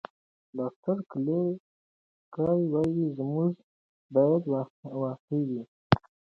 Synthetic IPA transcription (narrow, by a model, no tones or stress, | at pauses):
dɑft̪aɾkle | kɑwiwɑjizmuʐ | bɑjad̪wwɑxewi